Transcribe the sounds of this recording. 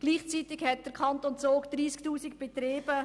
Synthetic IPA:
ɡ̥liːχt͡sitɪkhɛt̚d̥əɾkʰɑnt̪ont͡soːkd̪̥ɾiːsktuːsikb̥et̪ɾeːb̥ə

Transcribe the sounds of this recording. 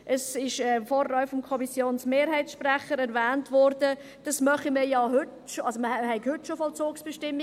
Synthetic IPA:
ʔɛsɪʃɛfɔːrːœʏfɔmkʰɔmisjoːnsmeːɾhɛɪtsʃprɛχəɾɛɾvæːntvɔɾd̥ə | d̥ɑsmœχəmiːɾjɑːhʏtʃoɑlsoməhɛɪkhʏtːʃofɔlt͡soːksb̥ɛʃtɪmː

